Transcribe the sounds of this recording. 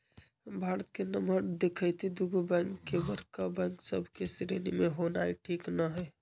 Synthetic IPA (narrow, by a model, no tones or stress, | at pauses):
bʱaːɾət̪kenəmbəɾd̪ekʰəjt̪ʰid̪uɡʱobɛŋkːebəɾkabɛ̃ŋksəbʱkesɾenimeɦonaiʈʰiːknəɦɛ